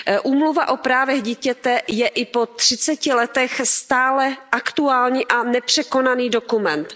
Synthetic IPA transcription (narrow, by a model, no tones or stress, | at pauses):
ʔuːmluvaʔo̞pɾaːvɛɣɟiːcɛt̪ɛjɛʔɪpo̞t̪r̥ɪt͡sɛcɪlɛt̪ɛxst̪aːlɛʔakt̪uaːlɲiːʔanɛpr̝̥ɛko̞naniːdo̞kumɛnt̪